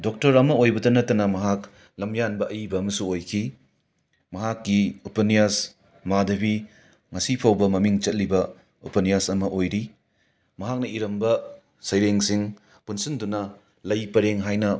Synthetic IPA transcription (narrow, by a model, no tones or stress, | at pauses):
dok̚tɐɾɐmɐojbɐdɐnɐtːɐnɐmɐɦak | lɐmjanbɐʔɐjibɐːmɐsuojkʰi | mɐɦakːiupɐnijas | madɐbi | ŋɐsipʰawbɐmɐmiŋt͡ʃɐt̚libɐ | upɐnijasɐmɐʔojɾi | mɐɦak̚nɐiɾɐmbɐ | sɐjɾeŋsiŋ | punsindunɐ | lɐjpɐɾeŋɦajnɐ